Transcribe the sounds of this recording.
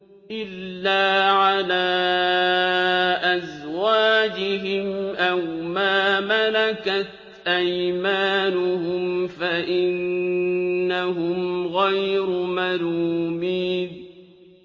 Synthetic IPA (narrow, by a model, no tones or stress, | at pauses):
ʔɪlːaːʕalaː | ʔazwaːd͡ʒɪɦɪmʔawmaːmalakat̪ | ʔajmaːnʊhʊmfaʔɪnː | aɦʊmɣajɾʊmaluːmiːn